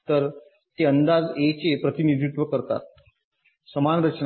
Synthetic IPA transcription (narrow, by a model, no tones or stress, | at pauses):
t̪əɾ | t̪eənd̪ad͡zet͡sepɾət̪inid̪ɾit̪ʋəkəɾt̪a̰t̪̚ | səmanɾət͡ɕn